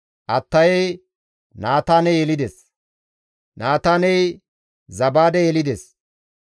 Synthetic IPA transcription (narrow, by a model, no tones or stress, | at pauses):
ʔɐt̪ːɐjɛj | naːt̪aːnɛjɛlɪd̪ɛs | naːt̪aːnɛj | zɐbaːd̪ɛjɛlɪd̪ɛs